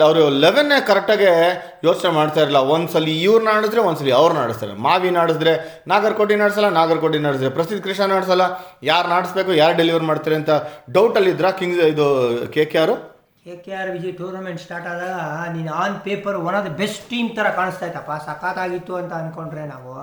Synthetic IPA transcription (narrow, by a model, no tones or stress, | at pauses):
ɐʋɾuleʋenːeːkɐɾɐk̚ʈaːɡe̞ | joːt͡ʃnemaːɽt̪aːjɾiɐlːɐond̪sɐlːiːʋɾnaːɽisd̪ɾe̞ʋond̪s̬ɐlːiɐʋɾuna̰ːɽist̪a̰ːɾḛmaːʋinaːɽis̬d̪ɾe | naːɡɐɾkoʈ̬inaːɽs̬ɐlːɐnaːɡɐɾkoːʈ̬inaːɽisid̪ɾepɾɐsid̪ːkɾiʂɐnaːɽs̬ɐlːɐjaːɾnaːɽisbeːkujaːɾɖeliʋɐɾmaːɽt̪iːɾeɐnt̪ʰɐɖɐwʈɐlːid̪ɾakiŋɡsid̪ukeːkjaːɾu | keːkejaːɾʋid͡ʒiʈuːɾnɐmeɳʈsʈaːɾʈaːd̪ɐɡninaːnpeːpɐɾʋɔnad̪ɐbesʈʈiːmt̪ɐɾɐkaːɳɨst̪aːjt̪ɐpːasɐkaːt̪aːɡit̪ːuɐnt̪ɐɐnko̞ɳɖɾenaːʋu